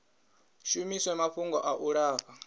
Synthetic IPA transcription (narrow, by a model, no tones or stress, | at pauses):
ʃumiswɛmapɸuŋɡɔʔaʔuɺaːɸa